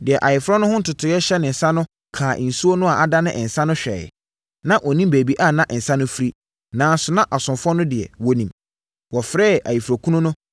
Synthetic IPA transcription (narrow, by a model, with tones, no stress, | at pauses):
dɪ˨ɛ˨ʔa˨jɪ˨fɾɔ˦nʊ̃˦hʊ̃˦n̩˦tʊ˨tʰʊ˨˦ɛ˦ɕɛ˦nɪ̃˨n̩˨sã˦nʊ̃˦ | kʰaː˨ʔn̩˨su˦o˦nʊ̃˦a˨a˨da˦nɪ̰̃˦ʔn̩˨sã˦nʊ̃˦ɕᶣɛ̰˨ | nã˦ʔɔ˨nĩ˦mbeː˨bi˦ʔa˦˨nã˦ʔn̩˨sã˦nʊ̃˦fi˦ɾi˦ | nãː˨˦sʊ˨nã˦ʔa˨sʊ̃˨mfʊ˦ɔ˦nʊ̃˦dɪ˨ɛ̰˨wɔ˦nĩ˨m | wɔ˨fɾɛː˦a̰˨ji˨fɾɔ˨kʰu˦nʊ̃˦nʊ̃˦